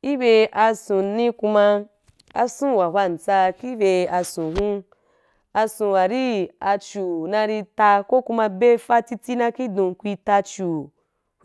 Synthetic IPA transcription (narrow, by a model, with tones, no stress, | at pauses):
i˦be˧ʔa˧sũ˨nĩ˧˦ku˧ma˧ | a̰˨sũ˦wa˨ha˦˨n̩˨t͡sa˧ki˦be˧a˧sũ˨ɦũ˦ | a˧sũ˨wa˨ɾi˦a˧t͡ʃu˨nã˧ɾi˧ta˧ko˦ku˧mã˧be˦fa˦ti˧ti˦nã˧ki˦dũ˨kʷi˧ta˧t͡ʃu˨